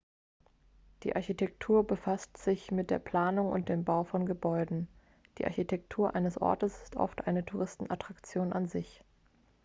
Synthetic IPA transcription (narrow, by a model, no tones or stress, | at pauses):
d̥ḭːʔaɐçitʰɛktʰuːɐbəfastz̥ɪçmɪt̚d̥eːɐpl̥aːnʊŋʊ̰nt̚d̥eːmbaʊfɔnɡəbɔʏdn̩ | d̥iːʔa̰ɐçitʰɛk̚tʰuːɐʔa̰ɪnəsʔɔ̰ɐtəsɪ̥stʔɔ̰ftʔa̰ɪnətʰuʁɪstn̩ʔatʁ̥akt͡sjoːnanzɪç